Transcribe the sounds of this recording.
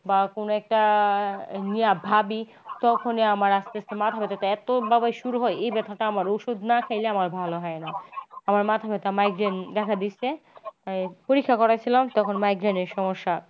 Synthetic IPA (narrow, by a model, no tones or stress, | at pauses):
bakonoɛk̚ʈa | nijabʱabi | t̪ɔkʰoneamaɾast̪esemat̪ʰabet̪at̪aɛt̪obabajʃuɾuɦɔjejbɛt̪ʰaʈaamaɾoʃod̪nakʰejleamaɾbʱaloɦɔenaamaɾmat̪ʰabet̪amajɡɾend̪ɛkʰad̪ieaipoɾikʰːakɔɾat͡ɕʰilamt̪ɔkʰonmajɡɾeneʃɔmoʃːa